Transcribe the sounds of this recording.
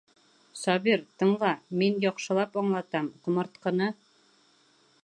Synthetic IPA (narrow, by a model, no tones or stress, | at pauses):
sɒβiɾt̪ɤ̆ɴɢɑminjɒqʃɤ̆lˠɑpɒɴlˠɑt̪ɑmqŏmɤ̆ɾt̪̚qɤ̆nɤ